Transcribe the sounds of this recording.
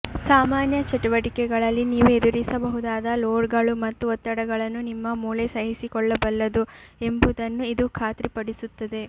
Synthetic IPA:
saːmaːnjɐt͡ʃɐʈuʋɐʈikɛɡɐɭɐlːiniːʋued̪uɾisɐbɐɦud̪aːd̪ɐloːɾɡɐɭumɐt̪ːuʋɔt̪ːɐɽɐɡɐɭɐnːunimːɐmuːlesɐɦisikɔɭːɐbɐlːɐd̪ue̞mbud̪ɐnːuid̪ukʰaːt̪ɾipɐɽisut̪ːɐd̪e̞

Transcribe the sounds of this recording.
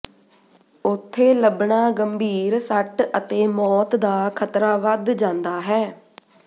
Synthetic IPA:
ʊt̪ʰːeːləbɳaːɡəmbʱiːɾsəʈət̪eːmɔːt̪d̪aːkʰət̪ɾaːʋəd̪d͡ʒãːnd̪aːɦɛː

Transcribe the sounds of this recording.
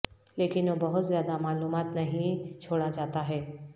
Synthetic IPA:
leːkɪnobɐɦʊt̪zjaːd̪amaːluːmaːt̪nɐɦĩt͡ʃʰoːɽad͡ʒaːt̪aɦɛː

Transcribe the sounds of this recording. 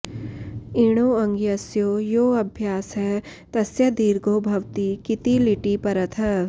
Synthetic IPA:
iɽ̃oːɐ̃ŋɡjɐsjoːjoːɐbʱjaːsɦɛ | t̪ɐsjɐd̪iːɾɡoːbʱɐʋt̪ikɪt̪ilɪʈipɐɾɐt̪ʰɐ

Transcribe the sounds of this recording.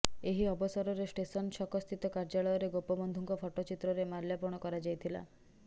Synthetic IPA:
eɦiɔbɔsɔɾɔɾesʈesɔnʃɔkɔst̪ʰit̪ɔkaɾd͡ʒaɭɔjɔɾeɡopɔbɔnd̪ʱɔŋkɔpʰɔʈɔt͡ʃit̪ɾɔɾemalljapɔɽ̃ɔkɔɾad͡ʒajt̪ʰila̰

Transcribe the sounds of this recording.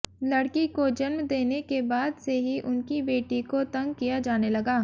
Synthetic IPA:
lɐɽkikod͡ʒɐnmd̪eːnekebaːd̪seɦiʔʊnkibeːʈikot̪ɐ̃ŋɡ̚kijad͡ʒaːnelɐɡaː

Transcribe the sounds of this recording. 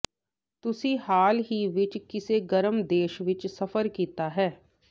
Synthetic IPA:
t̪ʊsihaːlɦiʋɪt͡ʃkɪseɡəɾəmd̪eːʃʋɪt͡ʃsɐfəɾkiːt̪aɦɛː

